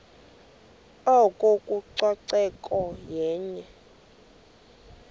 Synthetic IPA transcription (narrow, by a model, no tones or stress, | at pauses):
ɔkʼokʼuǀwaǀɛkʼɔjɛːɲɛ